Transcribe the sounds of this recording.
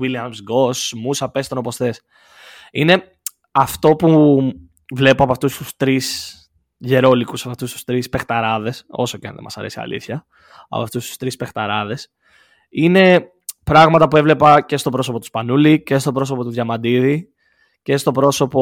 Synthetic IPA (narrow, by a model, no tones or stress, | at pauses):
wiliɐmsɡo̞smusɐpe̞st̪onopo̞st̪e̞s | ine̞ | ɐft̪o̞pu | vle̞poɐpɐft̪ust̪ust̪ɾis | ʝe̞ɾo̞likusɐpɐft̪ust̪u̥st̪ɾispext̪ɐɾɐðe̞so̞̰soceɐ̰nðḛmɐsɐɾe̞siɐ̰lḭθçɐ | ɐ̰pɐft̪ust̪u̥st̪ɾispe̞xt̪ɐɾɐðe̞s | ine̞ | pɾɐɣmɐt̪ɐpue̞vle̞pɐce̞st̪opɾo̞so̞pot̪u̥spɐnulice̞st̪o̞pɾo̞sopo̞t̪uðʝɐmɐd̪iði | ce̞st̪o̞pɾo̞so̞po